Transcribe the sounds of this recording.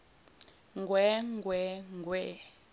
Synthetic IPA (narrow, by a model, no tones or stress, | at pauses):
ŋɡwɛŋɡwɛŋɡwɛ